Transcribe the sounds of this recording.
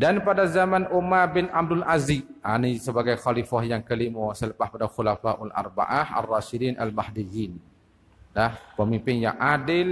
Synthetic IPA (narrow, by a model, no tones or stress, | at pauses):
danpadazamanʔumarbɪnab̚dʊlaziʔanisəbaɡajxalifahjaŋkəlimɔsələpaspadaxulafaʔʊla̰rba̰ʔaha̰rːaʃidina̰lmahdijin | lahpəmimpɪnja̰ŋʔadɪl